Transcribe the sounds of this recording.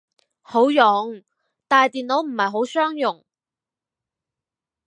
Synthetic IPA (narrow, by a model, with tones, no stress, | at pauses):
ho˨˥wjʊ˨˥ŋ | t̪aː˨jt̪iː˨nlo˨˥wm̩˨˩hɐ˨jɦo˨˥wsœː˥ŋjʊ˨˩ŋ